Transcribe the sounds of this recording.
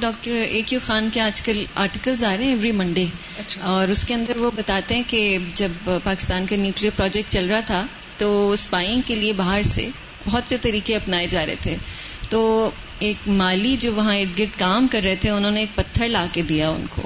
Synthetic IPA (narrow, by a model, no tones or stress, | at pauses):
ɖɔːk̚ʈəɾeːkjuxaːnkeaːd͡ʒkəla̰ːɾʈɪkəlzaːɾeɦɛ̃ɛʋɾimɐ̃ɳɖe | ɐɔːɾʊskeɐ̃nd̪əɾʋobɐt̪aːt̪eɦɛ̃ked͡ʒɐbpaːkɪst̪aːnkanjuːkliəɾpɾɔːd͡ʒɛk̚ʈ̚t͡ʃɐlɾɐɦat̪ʰa | t̪ospaːɪ̃ŋɡkeliebaːɦəɾsḛ | bɔɦɔt̪set̪ɐɾiːkeɐpnaːed͡ʒaːɾɐ̰ɦḛt̪ʰeː | t̪oː | eːkmaːlid͡ʒoːʋɐɦãɪʈɡɪɾt̪kaːmkɐɾːɐɦet̪ʰeʊnɦõːneːk̚pɐt̪ʰːəɾlaːked̪ijaʊ̰nko̰ː